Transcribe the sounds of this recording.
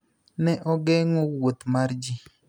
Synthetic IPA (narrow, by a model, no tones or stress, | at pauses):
nɛʔɔɡɛŋɔwot̪maɾd͡ʒi